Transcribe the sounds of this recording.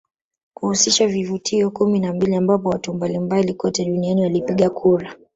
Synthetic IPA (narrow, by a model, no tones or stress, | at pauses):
kuhusiʃavivutʰiɔkuminambiliambapɔwatumbalimbalikɔtɛɗunianiwalipiɠakʰuɾa